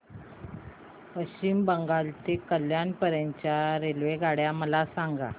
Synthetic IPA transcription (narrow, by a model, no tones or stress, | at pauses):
pət͡ɕimbəŋɡalt̪ekəljanpəɾəɲt͡ɕjaɾelʋeɡʱaɽjaməlasaŋɡa̰